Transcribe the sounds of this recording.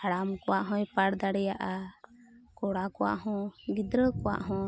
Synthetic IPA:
aɽamkɔwaʔɦɔ̃jpaɽd̪aɽɛjaʔa | kɔɽakɔwa̰ʔɦɔ̃ɡid̪ɾəkɔwa̰ʔɦɔ̃

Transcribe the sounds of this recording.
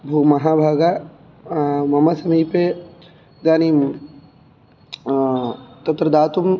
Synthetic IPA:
bʱuːmɐɦaːbʱaːɡa | mɐmɐsɐmiːpe | ɡ̪aːnim | t̪ɐt̪ɾɐd̪aːt̪um

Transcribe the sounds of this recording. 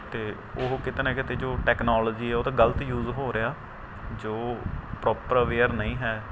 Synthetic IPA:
t̪eː | oɦkɪt̪eːnãːkɪt̪eːd͡ʒoːʈɛːknaːlɔːd͡ʒiːɛːoːt̪ãːɡələt̪juːzɦoːɾeaː | d͡ʒoːpɾɔːpəɾaʋeːəɾnəĩːɦɛː

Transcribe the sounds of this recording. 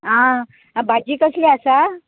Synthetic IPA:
ɦã | bʱad͡ʑiːkəsleasa

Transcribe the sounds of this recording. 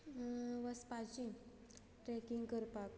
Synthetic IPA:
ʋəspat͡ɕĩ | ʈɾɛkiŋɡkəɾpak

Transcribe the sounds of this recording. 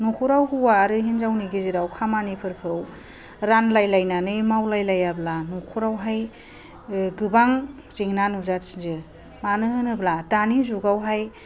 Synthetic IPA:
nukʰuɾawhuwaɾɯɦinzawniɡiziɾawkʰamanipʰɯɾpʰɯw | ɾanlajlajnanɯjmawlajlajablanokʰuɾawɦaj | ɡɯbaŋ | zeŋnanuzatsi̥zɯ | manɯhɯnɯblatanizuɡawɦaj

